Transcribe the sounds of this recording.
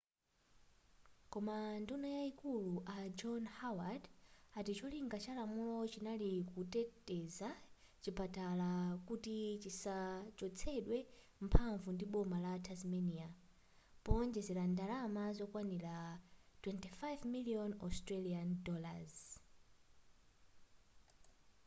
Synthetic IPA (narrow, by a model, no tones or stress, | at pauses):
kɔmandunajaikuluʔad͡ʒɔnhawadatit͡ʃɔliŋɡat͡ʃalamulɔt͡ʃinalikutɛtɛza | t͡ʃipatalakutit͡ʃisat͡ʃɔt͡sʰɛɗwɛ | m̩pʰaɱvundiɓɔmalatʰazmɛnia | pɔnd͡ʒɛzɛɾandalamazɔkwaniɾatwɛntifajvmiliɔnɔstɾɛliandɔla̰z